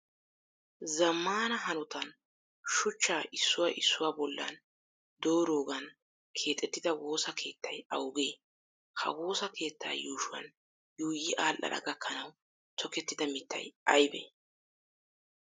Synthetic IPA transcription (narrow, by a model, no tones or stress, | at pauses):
zɐmːaːnɐɦɐnʊt̪ɐn | ʃʊt͡ʃːaːʔɪsːʊwaːʔɪsːʊwaːbɔlːɐ̰n | d̪o̞ːɾoːɡɐn | kʰe̞ːt̪ʼːɛt̪ːɪd̪ɐwo̞ːsɐkʰe̞ːt̪ʰːɐjɐ̰wɡe̞ː | hʰɐ̰wo̞ːsɐkʰe̞ːt̪ːa̰ːjuːʃʊwɐ̰n | juːjɪʔaːlʔɐ̰ɾɐ̰ɡɐkʰːɐnɐw | t̪ʰɔkɛt̪ːɪd̪ɐmɪt̪ːɐ̰jʔɐjbḛ